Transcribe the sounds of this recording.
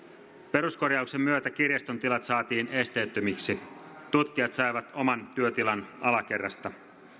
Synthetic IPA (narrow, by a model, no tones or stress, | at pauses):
pe̞ɾusko̞rjɑukse̞mːyøt̪æk̟irjɑst̪ont̪ilɑt̪sɑːt̪iːnest̪e̞t̪ːømiksi | t̪ut̪k̟iɑt̪sɑjʋɑt̪o̞mɑnt̪yøt̪ilɑnɑlɑk̟e̞rːɑst̪ɑ